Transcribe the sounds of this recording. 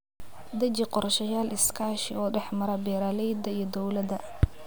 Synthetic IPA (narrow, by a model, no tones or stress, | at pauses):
d̪ɐt͡ʃɪqɔrʃɐjaːlɪskʰaːʃɪɔːɖɛħmɐɾɐbɛːɾaːlɛjd̪ɐijɞd̪ɔwlɐd̪ɐ